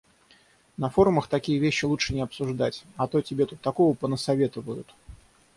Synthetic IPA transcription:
nɐfo̞ɾʊməxt̪ɐkʲijəvʲeɕːɪlˠut͡ʂʂɨnʲɪɐpsʊʐd̪atʲɐt̪o̞tʲɪbʲet̪ut̪ːɐko̞vəpənəsɐvʲe̞t̪əvəjʊt̪

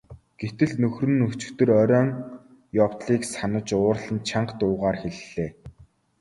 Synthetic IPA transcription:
ɡ̥et̪ɘ̆ɮnɵxrɵ̆nɵt͡ɕɪ̥̆kt̪ɵ̆rœɾʲɔːŋ | jɔwt̪ɮiːksanə̆t͡ɕʊːrɮə̆nt͡ɕʰaɴqt̪ʊːʁaːrxeɮːeː

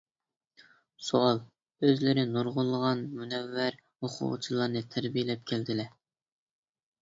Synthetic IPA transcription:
suɑlˠ | øzlɪɾɪnuɾʁʊlˠːəʁɑnmunɛvːæɾ | hoqʰʊ̰ːt͡ʃʰilˠɑɾnɨt̪ʰæɾbijelɛp̚kʲʰæld̪ɪlɛ

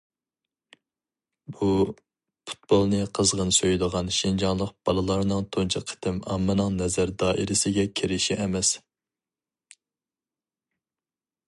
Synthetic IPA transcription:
b̥u | pʰu̥t̪̚b̥olˠnɨqʰəzʁənsøjd̪əʁɑnʃind͡ʒɑnlˠəq̚b̥ɑlˠɨlˠɑɾnɨŋt̪ʰont͡ʃʰɑqʰə̥t̪ʰɪmɑmːɨnɨŋnɛzæɾd̪ɑːʔiɾɪsɪɡʲɛkʲʰeɾɪʃiʔɛmɛs

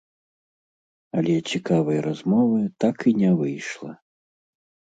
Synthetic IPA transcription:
ɐlʲɛt͡sʲikavɐjɾazmɔvɨt̪akinʲɛvɨjʂlˠɐ̰

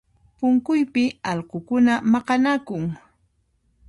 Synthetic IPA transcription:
pʊŋkʊjpɪɑʎqokʊnamɑqɑnakʊŋ

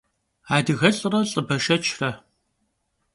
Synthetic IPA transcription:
aːdɨɣɐɬʼɨrɐɬʼɨbɐʃɐt͡ʃʰrɐ

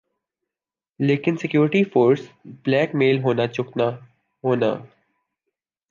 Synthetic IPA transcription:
leːkɪnsɪkjuːɾɪʈifoːɾsb̥lɛːkmeːlɦoːnat͡ʃʊkna | ɦoːna̰ː

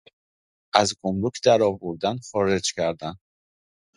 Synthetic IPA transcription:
ʔæzɡomɾucʰd̪æɾɒːvoɾd̪ænxɒːɾe̞d͡ʒcʰæɾd̪æn

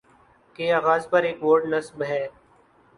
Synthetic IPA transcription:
keaːɣaːzpɐɾeːkʋoːɾʈnɐsbɦɛː

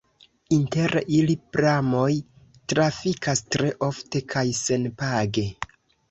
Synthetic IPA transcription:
inte̞ɾilipɾamo̞j | tɾafikʰastɾe̞ʔo̞fte̞kʰajse̞npaɡe̞

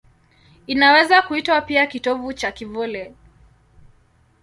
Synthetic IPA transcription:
inawɛzakuitwapiakitɔvut͡ʃakivɔlɛ

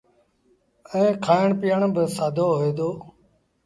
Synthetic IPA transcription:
ɛ̃ːkʰaːɪɳpɪjəɳbɪsaːd̪ʱoːɦoeːd̪oː

